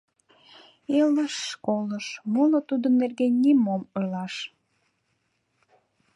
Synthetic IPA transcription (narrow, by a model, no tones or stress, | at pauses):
eləʃːkoləʃmolət̪ud̪ənːerɡenʲːimomolɑʃ